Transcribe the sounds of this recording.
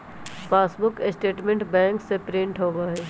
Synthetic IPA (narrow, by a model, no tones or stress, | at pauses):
paːsbʊkɪsʈeːʈmẽɳʈbɛ̃ːŋksepɾɪ̃ɳʈɦoːɡaːɦɛː